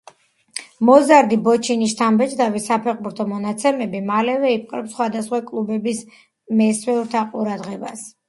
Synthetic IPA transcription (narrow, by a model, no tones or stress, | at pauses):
mɔzaɾd̪ibɔt͡ʃʰiniʃt̪ʰambɛt͡ʃʰʼd̪avisapʰɛχbuɾt̪ʰɔmɔnat̪sʰɛmɛbimalɛvɛip̚ʼqʼɾɛpsχwad̪asχwakʼlˠubɛbis | mɛswɛuɾt̪ʰaqʼuɾad̪ʁɛbas